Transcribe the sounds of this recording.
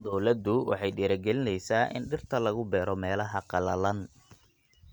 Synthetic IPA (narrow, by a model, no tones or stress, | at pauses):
d̪ɔwlɐd̪ʊwɑ̰ħɑjɖiːɾɐɡɛlɪnɛjsaːʔɪ̰nɖɪrt̪ʰɐlɐɣʊbɛːɾɔmɛːlɐɦɐqɑlɐlɐn